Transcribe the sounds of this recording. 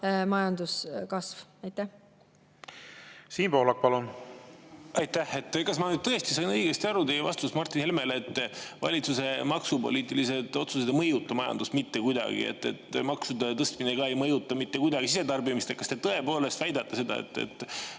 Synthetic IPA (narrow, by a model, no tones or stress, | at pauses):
mɑjɑnd̪uskɑsvɑjt̪ːæh | siːnpo̞ːlɑk̚pɑlun | ʔɑjt̪ːæhe̞t̪ːˑkɑsmɑnyd̪̚t̪ɤ̞est̪isɑjnɤiɡ̥est̪iɑɾut̪ejevɑ̰st̪usmɑrt̪ːˑinhelmelet̪ːvɑ̰lʲit̪suse̞mɑksupo̞̰liːt̪ːˑilise̞d̪̥o̞t̪suse̞d̪̥emɤjut̪ːˑɑmɑjɑ̰nd̪̥usmit̪ːe̞kujd̪ɑ̰ɡ̥ḭḛt̪ːˑe̞̰t̪ːˑmɑksud̪et̪ɤst̪mineɡɑe̞jmɤjut̪ːˑɑmit̪ːe̞kujd̪ɑɡ̥isise̞d̪ɑrbimist̪ekɑst̪e̞t̪ɤe̞po̞ːle̞st̪væjd̪ɑt̪ːese̞d̪ɑ̰ḛt̪ːḛt̪ːˑ